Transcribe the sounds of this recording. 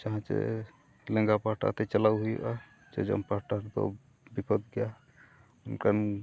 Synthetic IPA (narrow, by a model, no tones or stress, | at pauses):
t͡ʃaɦãt͡ʃḛ | lə̃ŋɡapaʈa̰t̪et͡ʃəlawɦujʔa | t͡ʃḛd͡ʒə̰mpaʈaɾt̪o̰ | bipəd̪ɡɛja | unkan